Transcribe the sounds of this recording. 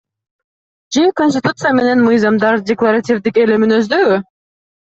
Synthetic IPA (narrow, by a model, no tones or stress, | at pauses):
d͡ʒekonʲs̬ʲtʲɪt̪ut̪sɨjame̞ne̞nmɯjzɑmd̪ɑɾdʲeklˠaɾatʲivd̪ike̞leminø̞zd̪ø̞ɡy